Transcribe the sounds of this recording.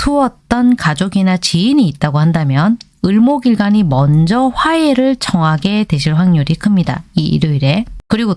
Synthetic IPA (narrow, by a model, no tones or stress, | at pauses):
tʰuʌt̚t͈ʌnkad͡ʑoɡinat͡ɕiːɲiːt̚t͈aɡohandamjʌn | ɯɭmoɡiɭɡaɲimʌnd͡ʑʌɸwae̞ɾɯɭt͡ɕʌŋɦaɡe̞te̞ɕʰiɭɸwaŋɲuɾikʰɯmɲida̰iḭɾjoiɾe̞kɯɾiɡo